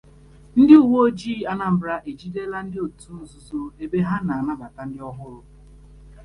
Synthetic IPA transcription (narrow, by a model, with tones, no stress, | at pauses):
n̩˦dɪ˦u˨wo˦o˦d͡ʒiː˦˨a˦na˨m̩˨bɾa˦ʔe˨d͡ʒi˦de˦la˦n̩˦dɪ˦o˨tu˦n̩˦zu˦zo˦e˦be˦ɦa˦na˨a˨na˦ba˨ta˨n̩˦dɪ˦ɔ˦ɦʊ˦ɾʊ˦